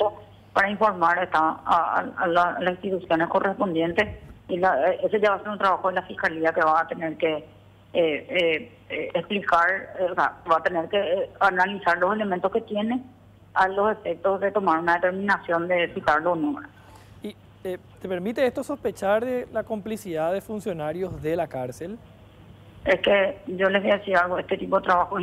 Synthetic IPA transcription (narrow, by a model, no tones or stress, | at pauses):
t̪o | paɾaiɱfo̞ɾmaɾeht̪aa̰a̰lalasĩst̪it̪usjonesko̞rʔespo̞nd̪je̞nt̪esilaʔeseʝaβaːse̞ɾunt̪ɾaβaxoðelafihkaliakeβat̪eneɾke | splikaɾeosa̰βat̪eneɾkeanalisaɾloselemẽnt̪osket̪jene | alo̞se̞fek̚t̪ozðe̞t̪o̞maɾunaðet̪eɾmĩnasjo̞nd̪etit̪aɾlonoɾa | i | e | t̪e̞peɾmit̪eest̪oso̞spet͡ʃaɾðelako̞mplisiðaðefunsjo̞naɾjo̞zðelakaɾsel | esked͡ʒoleβojaðesiɾalɣoeht̪et̪ipoðet̪ɾaβaxo